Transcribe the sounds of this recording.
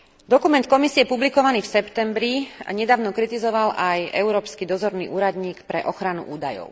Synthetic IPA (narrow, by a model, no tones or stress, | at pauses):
d̪ɔkumɛnt̪kɔmisiɛpublikɔʋaniːfsɛpt̪ɛmbɾia̰ɲɛd̪aːʊnɔkɾit̪izɔʋalʔajʔɛ̰ʊɾɔːpskid̪ɔzɔɾnḭːʔuːɾad̪ɲiːkpɾɛʔɔxɾanṵʔuːd̪ajɔ̰ʊ